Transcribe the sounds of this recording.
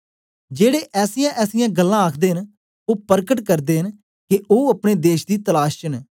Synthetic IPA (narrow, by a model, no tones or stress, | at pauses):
d͡ʒeːɽeːʔɛːsɪjãːʔɛːsɪjãːɡəlːãːaːkʰd̪eːɦən | oːpəɾkəʈkəɾd̪eːɦən | kɪʔoːəpɽ̃eːd̪eːʃd̪iːt̪əlaːʃt͡ʃən